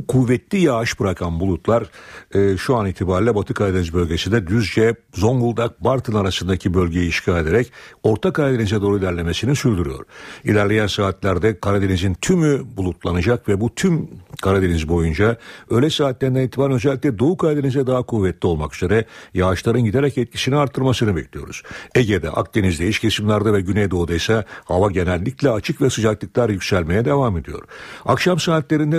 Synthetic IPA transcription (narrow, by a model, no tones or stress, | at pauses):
kʰuvɛt̪lʲijaaʃbɯɾakʰanbulˠut̪lˠaɾɯːʃuanit̪ʰibaːɾilʲɛbat̪ʰɯkʰad̪enizbø̞lʲɟesind̪ɛd̪yzd͡ʒɛzo̞ŋɡulˠd̪ak̚baɾt̪ʰɯnaɾasɯnd̪acʰibø̞lʲɟe̞jiːʃcʰalʲe̞d̪eɾɛco̞ɾt̪ʰakaɾad̪e̞nizɛd̪o̞ɾuilʲæɾlʲe̞me̞sininsyɾd̪yɾyjo̞̰ɾ̥ilʲæɾlʲe̞jænsaːt̪lʲæɾd̪ɛkʰaɾad̪e̞nizint̪ʰymybulˠut̪lˠanad͡ʒakvɛbut̪ʰymkʰaɾad̪enizbo̞jund͡ʒaø̞jlʲɛsaːt̪lʲæɾind̪ænit̪ʰimaɾnø̞zɛlʲːicʲlʲɛd̪o̞ukʰaɾd̪enizɛd̪aɦakʰuvɛt̪ːʲio̞lˠmakyze̞ɾɛjaːʃlˠaɾɯnɟid̪eɾɛcɛt̪̚cʰi̥siniaɾt̪ʰːɯɾmasɯnɯbɛcʲlʲijo̞ɾuz̥eɟed̪ɛ̰ʔa̰kd̪e̞nizd̪ɛiʃcʰesimlʲæɾd̪avɛɟynɛjd̪o̞ud̪ajsahavaɟe̞nɛlʲːiclʲɛat͡ʃʰɯkvɛsɯd͡ʒaklˠɯklˠaɾjycsælʲme̞jɛd̪e̞vame̞d̪ijo̞̰ɾ̥akʃamsaːt̪lʲe̞ɾind̪ɛ